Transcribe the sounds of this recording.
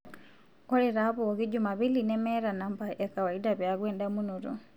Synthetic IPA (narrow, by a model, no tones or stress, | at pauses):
kɔɾɛɾapɔkid͡ʒumaβilinɛmɛɾanambaʔɛkawaidapjaɡwɛndamunuɾɔ̰